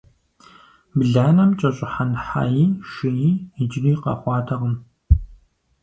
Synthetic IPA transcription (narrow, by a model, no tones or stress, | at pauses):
bɮaːnɐmt͡ʃʼɐɕʼɪħanħa̰ːjiːʃɪjiːɪd͡ʒɪriːqɐ̰χʷɑːtʰɐʁəm